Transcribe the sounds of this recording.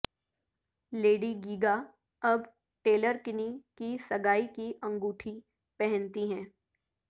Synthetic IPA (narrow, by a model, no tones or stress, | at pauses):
leːɖiɡiːɡa | ɐb | ʈeːləɾkɪnikisɐɡaːikiʔɐ̃ŋɡuːʈʰi | pɛɦɛ̃nt̪iɦɛ̃ː